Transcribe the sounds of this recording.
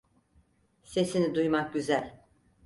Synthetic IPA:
se̞sinid̪ujmak̚ɟyzælʲ

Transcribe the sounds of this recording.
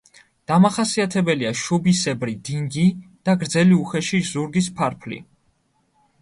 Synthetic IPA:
d̪̥amaχasiat̪ʰɛbɛliaʃubisɛbɾid̪iŋɡid̪̥aɡɾd̪zɛliuχɛʃizuɾɡispʰaɾpʰlḭ

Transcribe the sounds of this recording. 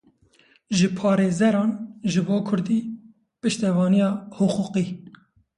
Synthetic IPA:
ʒɨpʰɑːɾeːzɛɾɑːnʒɨboːkʰʊɾd̪iː | pɨʃt̪ɛvɑːnijɑːhʊquqiː

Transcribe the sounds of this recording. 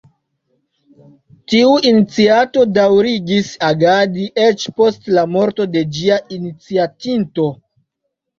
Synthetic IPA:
tiuʔinit͡siato̞dawɾiɡisaɡadiʔe̞t͡ʃpo̞stlamo̞ɾto̞de̞d͡ʒiainit͡siatinto̞

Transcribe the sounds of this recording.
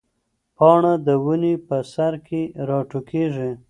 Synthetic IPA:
pɑɳad̪əwunepəsaɾkeɾɑʈukʰeʐi

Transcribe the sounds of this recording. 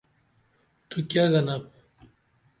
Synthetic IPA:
t̪ukʲaɣɐnap

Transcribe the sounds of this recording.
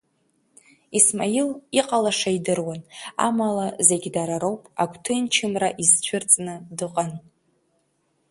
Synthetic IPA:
ismailiqʼalaʂaidɨrwana̰malaze̞ɡʲdaɾaɾo̞wpʼa̰kʷʰtʰɨnt͡ʃʰɪmraʔizt͡ʃʷʰɨrt͡sʼnɨdɨqʼan

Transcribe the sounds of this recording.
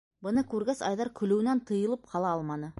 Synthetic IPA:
bɤ̆nɤkʉɾɡæsɑ̰jðɑɾkɵ̆lɘ̆wɘ̆nænt̪ɤ̆jɤ̆lˠɤp̚qʰɑlˠɑɑlˠmɑnɤ

